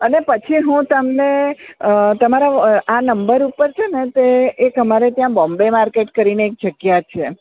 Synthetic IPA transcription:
ənepət͡ʃʰiɦũt̪əmneət̪əmaɾaanəmbəɾupəɾt͡ʃʰenet̪eːkəmaɾet̪jãbɔ̃mbemaɾkeʈkəɾineːk̚d͡ʒəɡjat̪̚t͡ʃʰe

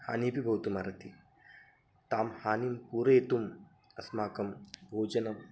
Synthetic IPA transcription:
ha̰ːniːpibʱɐwt̪umaːɾɐt̪ʰi | t̪aːmhaːnimpuːɾeːt̪um | ɐsmaːkɐmbʱoːd͡ʒɐnɐm

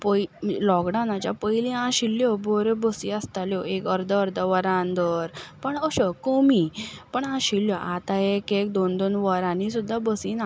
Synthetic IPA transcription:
pəjlɔɡɖanãt͡ɕja̰pəilĩɦãɕilːjɔbʱoɾebəsiəst̪aljɔekəɾd̪əɾd̪əʋəɾãnd̪əɾpəɳəɕɔkomipəɳãɕilːjɔʔat̪aekek̚d̪ond̪onʋəɾãnĩsud̪ʱːabəsiːna

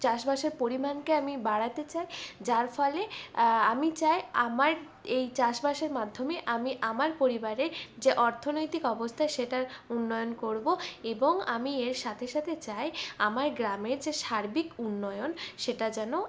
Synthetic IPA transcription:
t͡ɕaʃbaʃeɾpoɾimankeamibaɽat̪et͡ɕajd͡ʑaɾfɔleamit͡ɕajamaɾ | ejt͡ɕaʃbaʃeɾmad̪ʱːomeʔamiʔamaɾpoɾibaɾeɾd͡ʑeʔɔɾt̪ʰonojt̪ikɔbost̪ʰaeʃeʈaɾunːɔjonkoɾboeboŋamieɾʃat̪ʰeʃat̪ʰet͡ɕajamaɾɡɾameɾd͡ʑeʃaɾbikunːɔjonʃeʈad͡ʑɛno

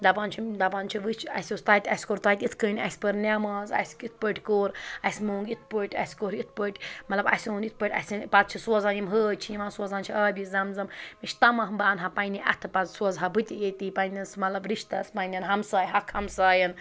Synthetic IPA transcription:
d̪apant͡ʃʰid̪apant͡ʃʰiʋɨt͡ʃʰɐ̰sʲost̪aːt̪ʲɐsʲkoɾt̪aːt̪ʲit̪ʰkəːnʲɐ̰sʲpɐɾnʲaːmaːzɐ̰jsʲkit̪̚ʰpəʈʲkoːɾɐsʲmoːŋɡit̪̚ʰpəʈʲɐ̰sʲkoɾit̪̚ʰpəʈʲmɐt̪lɐbɐ̰sʲoːnit̪̚ʰpəʈʲɐ̰sʲɐnpat̪̚t͡ʃʰisuɐzaːnimɦəːt͡ʃʰijimaːnsuɐzaːnt͡ʃʰiaːbʲiszɐmzɐmmit͡ʃʰt̪ɐmɐɦmbaːnɦapɐjnʲiʔɐ̰t̪ʰɨpɐzsuɐzɦabɨt̪ʲiet̪iːpɐnʲɐsmɐt̪lɐbɾiʃt̪ɐspɐnʲɐnɦɐmsaːjɦɐkʰɐmsaːjɐn

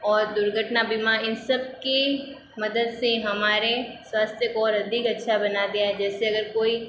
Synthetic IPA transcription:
ɔːɾd̪ʊɾɡʱəʈnabimaɪnsɐb̚ki | mɐd̪əd̪sẽɦɐmaːɾeswaːst̪ʰjəkɔːɾɐd̪ʱikɐtːʃʰabɐnad̪eaɦɛd͡ʒɛːseɐɡəɾkoːi

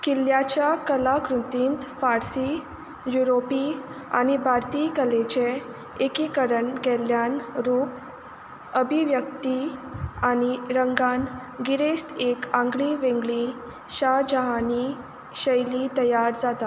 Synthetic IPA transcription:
kiljat͡ɕjakəlakɾut̪iːnt̪faɾsi | juɾopia̰ñibʱaɾt̪iːkəlet͡ɕe | ekikəɾəɳkɛljanɾuːp | əbʱiʋjək̚t̪iañiɾəŋɡanɡiɾest̪ekãŋɡɭiʋẽŋɡɭĩ | ɕad͡ʑəɦani | ɕəjlit̪əjaɾd͡zat̪a

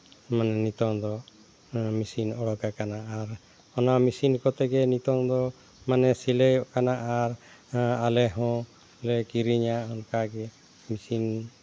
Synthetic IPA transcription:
manɛnit̪ɔŋd̪ɔ | misinɔɽɔɡakanaʔaɾ | ɔnamisinkɔt̪ɛɡɛnit̪ɔŋd̪ɔ | manɛsiləjɔʔkanaʔaɾalɛɦɔ̃ | lɛkiɾiɲaɔnkaɡɛ | misin

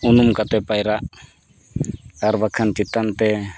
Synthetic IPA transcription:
unumkat̪ɛpajɾaʔ | aɾbakʰant͡ʃit̪ant̪ɛ

